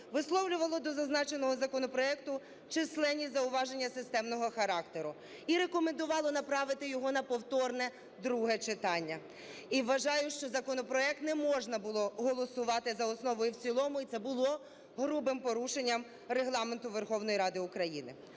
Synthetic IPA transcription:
ʋɪslˠɔwlʲʊʋɐlˠɔd̪ɔzɐznɑt͡ʃenɔɦɔzɐkɔnɔpɾɔɛkt̪ʊ | t͡ʃɪslˠɛnʲːizɐʊʋɑʒenʲːɐsɪst̪ɛmnɔɦɔxɐɾɑkt̪eɾʊ | iɾekɔmend̪ʊʋɑlˠɔnɐpɾɑʋɪt̪ɪjɔɦɔnɐpɔwt̪ɔrnɛ | d̪ɾuɦɛt͡ʃɪt̪ɑnʲːɐ | iʋːɐʒɑjʊʃt͡ʃɔzɐkɔnɔpɾɔɛk̚t̪nɛmɔʒnɐbʊlˠɔɦɔlˠɔsʊʋɑt̪ɪzɐɔsnɔʋɔjʊwt͡sʲilˠɔmʊit̪sɛbʊlˠɔ | ɦɾubɪmpɔɾuʃenʲːɐm | reɦlˠɑment̪ʊʋerxɔwnɔjiɾɑd̪ɪʊkɾɐjḭnɪ̰

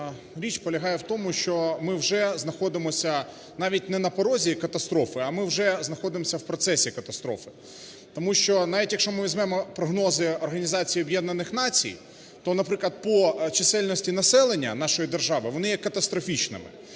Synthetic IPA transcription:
ɾʲit͡ʃpɔlʲɐɦɑjɛwt̪ɔmʊʃt͡ʃɔmɪwʒɛznɐxɔd̪ɪmɔsʲɐ | nɑʋʲit̚ʲnɛnɐpɔɾɔzʲikɐt̪ɐst̪ɾɔfɪɐmɪwʒɛznɐxɔd̪ɪmɔsʲɐwpɾɔt̪sɛsʲikɐt̪ɐst̪ɾɔfɪ̥ | t̪ɔmuʃt͡ʃɔnɑʋʲitʲjɐkʃɔmɪʋʲizʲmɛmɔpɾɔɦnɔzɪɔrɦɐnʲizɑt͡sʲijiɔbjɛd̪nɐnɪxnɑt͡sʲḭj | t̪ɔnɐpɾɪklˠɐd̪̚pɔt͡ʃɪsɛlʲnɔsʲtʲinɐsɛlˠenʲːɐ̰nɑʃɔjid̪erʒɑʋɪʋɔnɪjɛkɐt̪ɐst̪ɾɔfʲit͡ʃnɪ̰mɪ̰

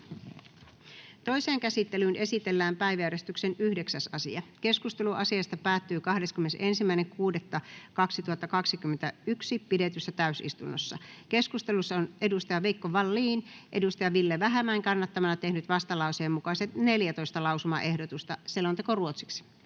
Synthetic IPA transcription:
t̪o̞iseːŋkæsit̪ːelyːnʔe̞sit̪elːæːmpæiʋæjæɾest̪yksenyhde̞ksæsɑsḭɑke̞skust̪eluʔɑsiɑst̪ɑpæːt̪ːyːkɑhdeskymenesensimːæineŋkuːdet̪ːɑkɑksit̪uhɑt̪ːɑkɑksikymːent̪æyksipidet̪ysːæt̪æysḭst̪unːosːɑke̞skust̪elusːɑone̞dust̪ɑjɑʋeikːoʋɑlːiːnʔḛdust̪ɑjɑʋilːeʋæɦæmːæŋkɑnːɑt̪ːɑmɑnɑt̪e̞hnyt̪ʋɑst̪ɑlɑuseːmːukɑiset̪neljæt̪o̞ist̪ɑlɑwsumɑ̰ʔehdot̪ust̪ɑselont̪ekoruot̪si̥ks

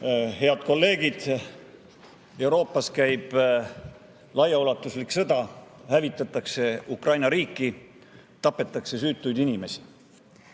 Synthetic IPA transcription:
he̞ɑd̪̥ko̞lːe̞ːɡ̥id̪̥ | e̞wɾo̞ːpːˑɑskæjb̥ | lɑjɑulɑt̪ːˑusliksɤd̪̥ɑhævit̪ːˑɑt̪ːˑɑkse̞ukrɑjnɑɾiːkːˑi | t̪ɑpːˑe̞t̪ːˑɑkse̞syːt̪ːˑujd̪inime̞si̥

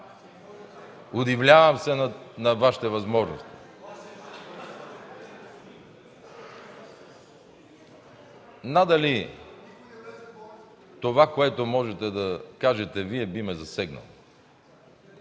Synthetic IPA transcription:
ʊd̪ivlʲavɐmsɛnnɐvaʃi̥t̪ɛvɐzmɔʒno̰st̪i̥ | nad̪ɐli | t̪ovakoɛt̪omɔʒɛt̪ɛd̪ɐkaʒɛt̪ɛviɛbimɛzɐsɛɡnɐ̰lˠo

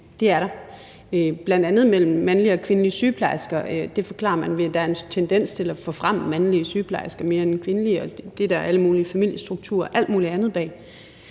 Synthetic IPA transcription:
d̥e̝æɐɾɑ̈ | øb̥lænd̥ænð̞̩ˠmel̰m̩ːænliəɒ̽kʰʋe̝nəliəsyːpʰlɑ̈ɪsɡ̥ɐd̥e̝fɒ̽kʰlɑ̰̈ɐmænʋe̝d̥ææɐe̝nt͡sʰend̥en̰st͡sʰe̝læfɔ̽fʁam̰əmænliəsyːpʰlɑ̈ɪsɡ̥ɐme̝ːɐenkʰʋe̝nəliəɒ̽d̥e̝d̥æʔæləmuːliəfæmil̰jəsd̥ʁuɡ̥̚t͡sʰṵɐ̰ʔæl̰d̥muːliænð̞̩ˠb̥ɛ̰ː

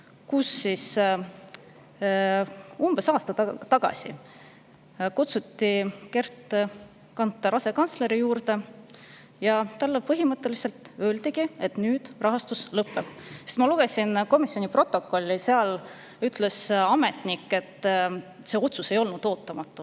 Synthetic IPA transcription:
kusːis | umb̥e̞sɑːst̪ɑt̪ɑɡ̥ɑ̰sḭ | kut̪sut̪ːike̞rt̪ːˑ | kɑnt̪ːɑɾʔɑse̞kɑnsle̞ɾijuːrd̪e̞ | jɑt̪ɑlːepɤɦimɤt̪ːe̞lise̞lt̪ø̞ːld̪iɡ̥ie̞t̪nyːd̪̥rɑɦɑst̪uslɤpːe̥est̪mɑluɡ̥e̞sinko̞misːjo̞nipro̞t̪ːˑo̞kːˑo̞lʲːiseɑl | yt̪le̞sɑme̞t̪nikːˑe̞t̪ː | se̞o̞t̪suse̞jo̞lnud̪̥o̞ːt̪ːˑɑmɑt̪ːu

